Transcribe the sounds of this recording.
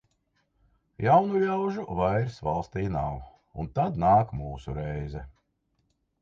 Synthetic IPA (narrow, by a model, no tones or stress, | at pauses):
jawnulʲawʒuvajɾsvalˠst̪iːna̰w | unt̪ad̪naːkmuːsuɾɛjzɛ